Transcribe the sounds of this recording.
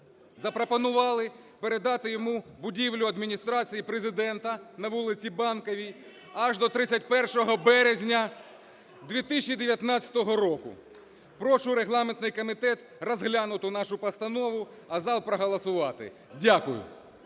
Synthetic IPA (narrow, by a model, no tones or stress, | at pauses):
zɐpɾɔpɔnʊʋɑlˠɪ | peɾe̞d̪ɑt̪ɪjɔmubʊdʲiʋlʲʊɐd̪mʲinʲist̪ɾɑt͡sʲijipɾezɪd̪ɛnt̪ɐnɐʋulˠɪt͡sʲibɑnkɐʋʲi | ɐʒd̪ɔt̪ɾɪt͡sʲɐt̚ʲpɛrʃɔɦɔbɛɾezʲnʲɐ | d̪ʋʲit̪ɪsʲt͡ʃːid̪eʋʲjɐt̪nɑt͡sʲɐ̥t̪ɔɦɔɾɔkʊ̰ | pɾɔʃʊɾeɦlˠɑment̪nɪjkɔmʲit̪ɛt̪ | rɔzɦlʲanʊt̪ʊnɑʃʊpɐst̪ɐnɔʋʊ | ɐzɑlˠpɾɔɦɐlˠɐsʊʋɑt̪ɪ̰ | dʲakʊjʊ̰